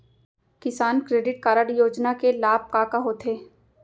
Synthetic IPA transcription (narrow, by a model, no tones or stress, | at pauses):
kɪsaːnkɾeːɖɪʈ̚kaːɾəɽjoːd͡ʒnakelaːb̚kaːkaɦoːt̪ʰeː